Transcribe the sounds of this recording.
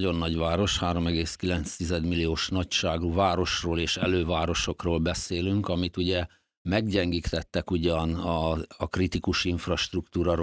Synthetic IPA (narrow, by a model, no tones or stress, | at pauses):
ɟo̞nːɒɟʋaːɾo̞ʃhaːɾo̞mɛɡeːskilɛnt̪st̪izɛd̪milːijoːʃnɒcʃaːɡuːvaːɾo̞ʃroːleːʃɛ̰løːvaːɾo̞ʃo̞kroːlbɛseːlyŋkɒmit̪uɟɛ | mɛɡɟɛŋɡiːkt̪ɛt̪ːɛkuɟɒnɒːkrit̪ikuʃiɱfrɒʃt̪rukt̪uːɾɒɾo